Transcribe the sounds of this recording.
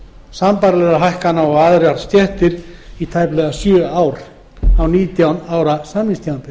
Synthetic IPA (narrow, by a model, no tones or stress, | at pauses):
sampaɾlɛɾaɦajhkanaɔɣaðɾjaɾst̪jɛht̪ɪɾit̪ʰajplɛɣasjœːaːwɾ | awniːt̪jawnaːwɾasaːminst̪ʰjawant̪ɪ